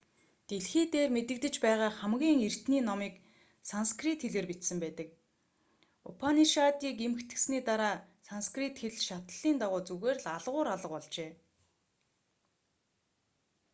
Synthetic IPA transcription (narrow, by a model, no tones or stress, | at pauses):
t̪eɮxiːt̪eːrmet̪ɘ̆kt̪ɘ̆t͡ɕpæːʁaːχæmɡʲiːŋer̥t̪niːnɔmiːk | sanskrit̪xeɮeːrpit̪sɘ̆mpæːt̪ə̆k | ʊpʰaniʃat̪iːkemɘ̆kt̪ɘ̆ksniːt̪aɾaːsanskrit̪xeɮʃat̪ə̆ɮ̥iːnt̪aʁʊːt͡suɣeːrɮaɮʁʊːɾaɮə̆qpɔɮt͡ɕeː